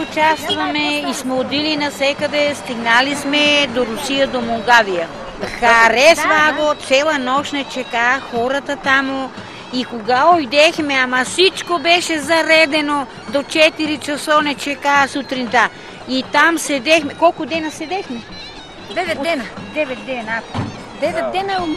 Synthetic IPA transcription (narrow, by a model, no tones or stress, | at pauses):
ʊt͡ʃast̪vɐmɛismɛod̪ilinɐsɛkɐd̪ɛst̪iɡnalismɛd̪oɾusijəd̪omoŋɡavijə | xɐɾɛsvaɡ̪ot̪sɛlˠənɔʃnɛt͡ʃɛkaxɔɾət̪ət̪amo | ikoɡaojd̪ɛxmɛamɐsit͡ʃkobɛʃɛzɐɾɛd̪ɛno | d̪ot͡ʃɛt̪iɾit͡ʃɐsonɛt͡ʃɛkasut̪ɾint̪a | it̪amsɛd̪ɛxmɛkɔlˠkʊd̪ɛnɐsɛd̪ɛxmɛ | d̪ɛvɛɛnd̪ɛvɛt̪̚d̪ɛnat̪ | d̪ɛvɛt̪̚d̪ɛnə